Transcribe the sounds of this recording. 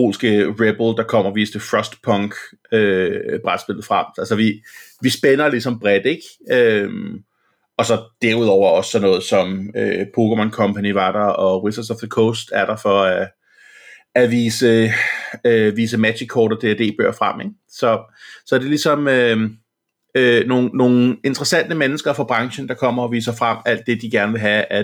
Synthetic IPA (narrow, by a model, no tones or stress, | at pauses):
pʰo̝̰ːlsɡ̥əʁeb̥l̩d̥ɑ̈kʰɒ̽m̰ɐɒʋiːsd̥əfʁɒsd̥pʰɒ̽ŋɡ̥ | øb̥ʁad̥sb̥e̝l̰ð̞̩ˠfʁam̰ælsɒʋi | ʋisb̥enɐlisɒ̽mb̥ʁɛd̥e̝ɡ̥øm | ɒ̽sɒ̽d̥eɐ̰uð̞ˠɒʊ̰ɐɒ̽ssɒ̽nɔ̽ːð̞̩ˠsɒ̽mø̰pʰo̝ɡ̥əmɒnkʰɒ̽mpʰæniʋɑ̈d̥ɐɒ̽wisɐd̥sɒfð̥əkʰosd̥æɐɾ̥ɑ̈fɒ̽æ | æʋiːsə | øʋiːs̬əmæ̥ɕikʰːɒːɾ̥ɐd̥e̝æd̥e̝̰ːb̥ø̰ɐ̰fʁam̰eɡ̥̚ | sɒ̽sɒ̽d̥e̝lisɒ̽mø | øno̝ːn̩ːo̝ːn̩e̝nd̥ʁɐsæn̰d̥əmenəsɡ̥ɐfɒb̥ʁɑ̈ŋɕn̩d̥ɑ̈kʰɒ̽m̰ɐɒ̽ʋḭːsɐfʁam̰æl̰d̥ːe̝d̥iɡ̥æɐnəʋe̝lɦææ